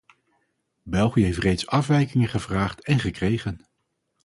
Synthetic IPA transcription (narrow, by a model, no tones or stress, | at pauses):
bɛlˠχijəɦejftrejtsɑfʋɛjkɪŋənχəvraːχtɛnχəkrejχən